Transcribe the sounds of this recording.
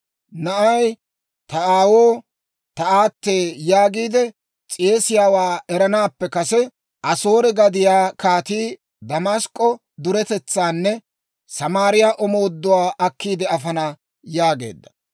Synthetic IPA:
nɐʔɐj | t̪ɐaːwoː | t̪ɐaːt̪ːe̞ːjaːɡiːd̪ɛ | t͡sʼeːsɪjaːwaːɛɾɐnaːpːɛkɐsɛ | ʔɐso̞ːɾɛɡɐd̪ɪjaːkaːt̪iː | d̪ɐmɐskʼːɔ | d̪ʊɾɛt̪ɛt͡sːaːnːɛ | sɐmaːɾɪjaʔɔmo̞ːd̪ːʊwaːʔɐkːiːd̪ɛɐfɐna | jaːɡe̞̰ːd̪ːɐ̥

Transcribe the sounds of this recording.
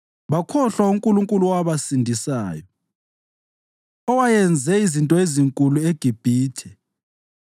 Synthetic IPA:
βakʰɔɬwauŋkʼuluŋkʼuluwaβasindʱisa̰ːjɔ | ɔwajɛnd͡zʱɛizintʼɔeziŋkʼulueɡ̥ʱib̥ʱiːtʰɛ

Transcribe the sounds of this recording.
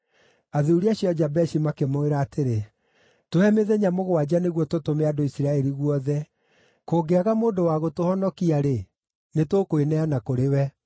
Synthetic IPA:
aðuuɾiaɕjɔd͡ʒabɛʃimakemoeɾaːteɾe | toɛmeðɛɲamoɣowad͡ʑaneɣwɔtotomeadoisiɾaɛɾiɣwɔðɛ | koɡeaɣamoːndowaɣotohɔnɔkiaɾe | netokoenɛanakoɾewɛ

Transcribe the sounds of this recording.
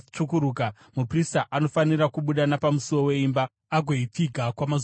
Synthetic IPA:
t͡ʂukuɾuːka | mupristaʔano̞faniɾakuɓuɗanapamuso̞we̞imba | aɡʱoitiɡʱakwamaz

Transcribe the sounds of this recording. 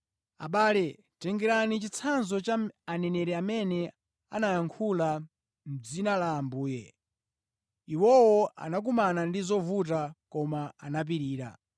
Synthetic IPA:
a̰ɓaːlɛ | tɛŋɡɛɾanit͡ʃit͡sʰanzɔt͡ʃaanɛnɛɾɛamɛnɛ | a̰najaŋkʰula | m̩d͡zinalaːmbuːjɛ | iwɔwɔʔa̰nak̬umanandizɔvut̬akɔmaanap̬iɾiːɾa̰

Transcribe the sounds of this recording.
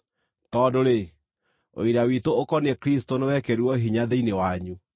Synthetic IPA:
tɔdoɾe | o̰iɾawitookɔneɛkɾistonewɛkɛɾwɔɦiɲaðeinewaɲu

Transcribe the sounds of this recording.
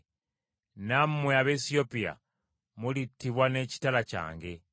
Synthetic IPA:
nammweaβesiopia̰ | mulitːiβwaneci̥talaca̰ːŋɡe

